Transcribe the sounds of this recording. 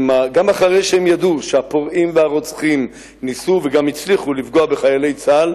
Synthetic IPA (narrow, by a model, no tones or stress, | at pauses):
maɡamaχaʁejʃeemjad̪uʃeapoʁimveaʁo̞t͡sχim | nisuveɡamit͡sliχulifɡoabeχajale̞jt͡sal